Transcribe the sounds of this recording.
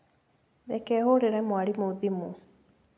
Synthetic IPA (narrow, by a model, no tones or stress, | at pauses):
ðɛkɛhoɾeɾɛmwaɾimoðimu